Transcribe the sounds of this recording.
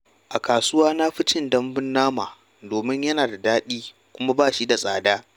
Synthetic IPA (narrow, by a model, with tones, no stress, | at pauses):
ʔa˨kaː˨sʊ˦waː˦na˦ɸɪ˦t͡ʃɪ˦ndɐ˦mbɪ˦nːaː˦maː˨ | doː˨mɪ˦ɲjɐ˦naː˨da˨daː˦ɗiː˦ | kʷʊ˦ma˦baː˦˨ʃi˦da˨sʼaː˨daː˦